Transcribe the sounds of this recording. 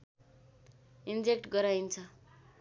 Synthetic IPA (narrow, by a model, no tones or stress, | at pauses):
ind͡zekʈɡʌɾajnt͡sʰʌ